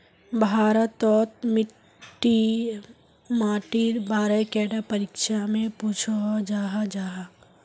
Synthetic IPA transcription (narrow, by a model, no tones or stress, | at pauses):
bʱaːɾət̪ːɔːt̪̚mɪʈː | i | maːʈiɾbaːɾəjkɛːɖapəɾikʃamẽpuːt͡ʃʰod͡ʒaːɦad͡ʒaːɦa